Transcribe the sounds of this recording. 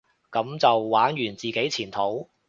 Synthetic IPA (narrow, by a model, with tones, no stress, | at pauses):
kɐ˨˥mt͡sɐ˨wːaː˨˥njyː˨˩nt͡siː˨ke˨˥jt͡sʰiː˨˩nt̪ʰo˨˥w